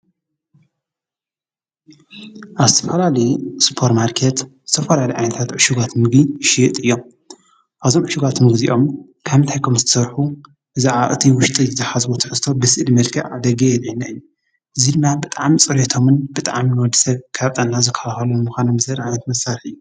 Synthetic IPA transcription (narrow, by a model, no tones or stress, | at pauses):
ʔazɨt̪ʰɐfɐlalɐjspʰo̞ɾtmaɾkʰet̪z̥ɨt̪ʰɐfɐlaliʔʕa̰jnɐt̪ʰat̪ʕɨʃuɡat̪mɨɡiʃit̪ʼɨjːo̞m | ʔaβzo̞mʕɨʃuɡat̪mɨɡziʔom | kʰaβɨnt̪ʰajkʰomzɨt̪ʰɐ̥sɐɾħu | ʔɨzaʕaʔɨt̪ʰiwʊʃt̪ʼizɨt̪ʰɐħazwot̪ʰɨ̥ħɨst̪ʰːo̞bɨsɨʔlmɐlkʰɐʕad̪ɐɡejɛlʕinːaɨjːu | ʔɨzid̪ɨmːabɨt̪ʼaʕmit͡sʼɨɾet̪ʰo̞mɨnbɨt̪ʼaʕminwɔd̪ːi̥sɐβkʰaβt̪ʼannːazɨkʰɐlaxɐlunɨmuxʷanɐmzɐɾʔajnɐt̪mɐsaɾħɨjːu